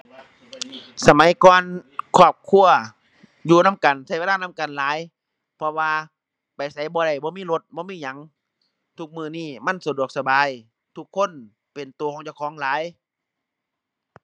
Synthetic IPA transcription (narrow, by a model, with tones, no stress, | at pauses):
sa˧ma˨˦jkɔː˧nkʰɔː˧˩p̚kʰu˧˨ɐ | juː˧na˧˥˨mka˨nsa˧˦jeː˧laː˧˥˨na˧˥˨mka˨nlaː˨˦j | pʰɔ˧waː˧ | pa˨jsa˨˦jbɔː˧ɾa˧˩jbɔː˧˦miː˧˥˨lo˧˦t̪̚bɔː˧˦miː˧˥˨ɲa˨˦ŋ | t̪ʰu˧k̚mɯː˧˩niː˧˥˩ma˧˥˨nsa˨˦du˨˩ək̚sa˧baː˨˦j | t̪ʰu˧kʰːo˧˥˨n | pe˨nt̪u˨kʰɔː˧˦ŋt͡ɕa˧˩˨kʰɔː˨˦ŋlaː˨˦j